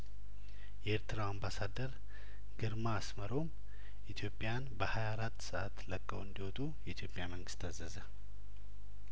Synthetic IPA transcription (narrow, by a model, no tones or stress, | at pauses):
jɛeɾt̪ʰɨɾawambasad̪əɾ | ɡɨɾmaːsməɾo̞m | ʔit̪ʰjo̞pʼːjanbəhajaɾat̪ːsəʔat̪ːləkʼːəwɨnd̪iwɔt̪ʼujɛit̪ʰjo̞pʼːjaməŋɡɨst̪azəzə